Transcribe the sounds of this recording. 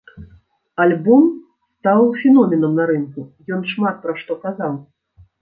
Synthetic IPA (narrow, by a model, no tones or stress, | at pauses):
alʲbɔm | st̪awfʲinɔmʲɛnɐmnɐɾɨnkujɔnʂmat̪̚pɾɐʂt̪ɔkazaw